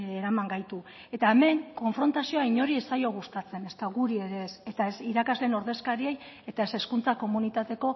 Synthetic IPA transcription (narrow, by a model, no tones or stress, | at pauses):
eɾamaŋɡajt̪ue̞t̪aeme̞ŋko̞ɱfɾo̞nt̪asio̞aiɲo̞ɾie̞sajo̞ɣ̞ust̪at͡se̞ne̞st̪aɣuɾie̞ɾese̞t̪aesiɾakazleno̞ɾðe̞skaɾiej | e̞t̪ae̞se̞skunt͡sako̞munit̪at̪e̞ko̞